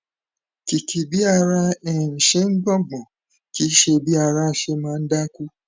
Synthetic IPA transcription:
ki˨kʰi˨bi˦a˧ɾa˦ɛ˨n̩˨ʃe˦ŋ̩˦ɡ͡bɔ̃˦˨ɡ͡bɔ̃˨ | ki˨˦ʃe˧bi˦a˧ɾa˦˨ʃe˧˦mãː˨˦˧n̩˦da˦ku˦

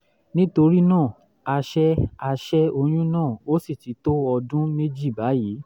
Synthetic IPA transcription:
nĩ˦to˧ɾi˦nãː˦˨ | a˧ʃɛ˦a˧ʃɛ˦o˧j̃ũ˦nãː˦˨o˦si˦˨ti˨˦to˦ɔ˧dũ˦me˦d͡ʒi˦˨ba˨˦jiː˨˦

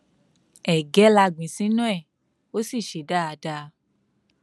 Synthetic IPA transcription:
ɛ˨ɡɛ˨˦la˧ɡ͡bĩ˨sĩ˨˦nũ˦ɛ˦˨ | o˦si˦˨ʃe˨da˦a˨˧da˧

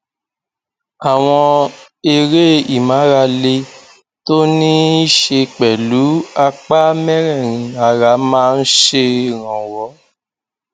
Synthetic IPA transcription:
a˨w̃ɔ̃˧ | e˧ɾe˦i˨mã˨˦ɾa˧le˧ | to˦nĩ˦ʃe˧k͡pɛ˨lu˨˦a˧k͡pa˦mɛ̃˦ɾɛ̃˦˨ɾ̃ĩ˧˦a˧ɾa˨˦mãː˦˧n̩˦ʃe˧ɾ̃ã˨wɔ˨˦

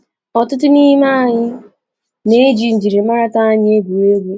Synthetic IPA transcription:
ɔ˨tʊ˦t̬ʊ˦ni˦ma˦a˨ɲɪ˦ | ne˦d͡ʒi˨n̩˨d͡ʒi˨ɾe˨ma˦ɾa˦ta˦a˦ɲɪ˦e˦ɡu˨e˦ɡe˦

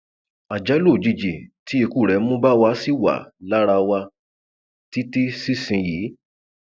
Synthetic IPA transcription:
a˨d͡ʒa˨˦lo˦˨d͡ʒi˧d͡ʒi˨ti˨˦e˧ku˦˨ɾɛ˨˦mũ˦ba˦wa˧si˦wa̰˨la˦ɾa˧wa˧ | ti˦ti˦si˦˨sĩ˧ji˨˦

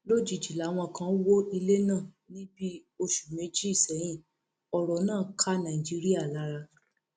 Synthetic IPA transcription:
lo˦d͡ʒi˨d͡ʒi˨la˨˦w̃ɔ̃˧˨kã˨˧˦wo˦i˧le˦nãː˦˨ | nĩ˦bi˦o˧ʃu̥˨mẽ˨˦d͡ʒi˦i˦˨sɛ˨˦j̃ĩ˦˨ | ɔ˧ɾɔ˨˦nãː˦˨kʰa˦nã˨i˨d͡ʒi˨˦ɾi˦a˦˨la˨˦ɾa˧

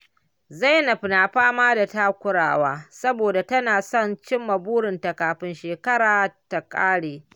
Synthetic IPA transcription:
za˦˨jnɐ˨ɸɪ˨naː˨ɸaː˦maː˦da˨taː˦kʷʊ˦ɽa̰ː˨waː˦sɐ˦boː˨da˨tɐ˦naː˨sɔ˦˨nt͡ʃɪ˦mːɐ˨buː˦ɽɪ˨nta˨kaː˨ɸɪ˦nʃeː˨kɐ˦ɽaː˨ta˨kʼaː˦ɽeː˨

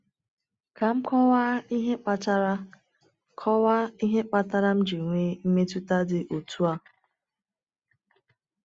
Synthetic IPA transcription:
ka˨m̩˦kɔ˦wa˦i˦ɦe˦k͡pa˦ta˦ɾa˦ | kʰɔ˦wa˦i˦ɦe˦k͡pa˦ta˦ɾa˦m̩˦d͡ʒi˨ŋʷe˦m̩˦me˦tu˦ta˦dɪ˨ʔo˨tʰu˦a˨

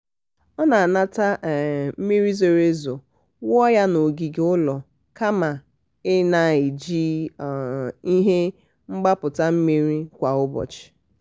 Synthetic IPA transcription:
ɔ˦na˨a˨na˦ta˦˨m̩˦mi˦ɾi˦zo˨ɾe˦zo˨ | wɔ˦ja˦no˨ɡi˨ɡe˦ʊ˦lɔ˨ | ka˦ma˨ | ɪ˦na˨i˨d͡ʒi˦˨ | i˦ɦe˦ | ŋ͡m̩˦ɡ͡ba˦pʊ˨ta˦m̩˦mi˦ɾi˦kʷa˨ʊ˦bɔ̰˨t͡ʃɪ̥˨

